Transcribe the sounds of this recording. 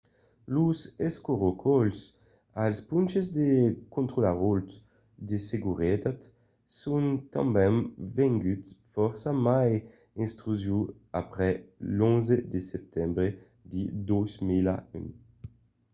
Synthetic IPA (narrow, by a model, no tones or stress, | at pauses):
luzeskoʁokʰɔls | alspũnt͡ʃezd̪ekõnt̪ʁolaʁolt̪ | d̪eseɡuʁet̪at̪ | sũnt̪ɑ̰̃mbɛ̃nvɛ̃ŋɡyt̪fɔʁsamaj | ĩnst̪ʁyzju | apʁɛlɔ̃nzed̪esɛp̚t̪ʰɛ̃mbʁe | d̪id̪ozmilay̰n